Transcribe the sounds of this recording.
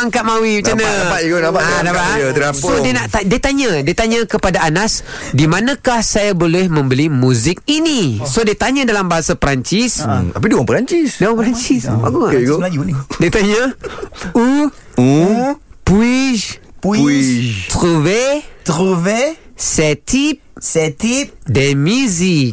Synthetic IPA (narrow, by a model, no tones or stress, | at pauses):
aŋkaʔ̚mawimat͡ʃanapaʔiɡonapaʔanapaat̪əɾassodianaʔt̪adiat̪aɲadiat̪aɲəkəpadaanas | dimanãkahsajabolɛhmə̃mbəlimũzɪk̚inisodiat̪aɲadalambaɦasapəɾaɲt͡ʃist̪apiduwaŋpəɾaɲt͡ʃisdewaŋpəɾaɲt͡ʃisa̰kuŋaɡoaindiat̪aɲa | u | puiʃp | t̪ɾuvet̪ɾuvesɛt̪ʰip̚sɛt̪ip̚dɛmuzik̚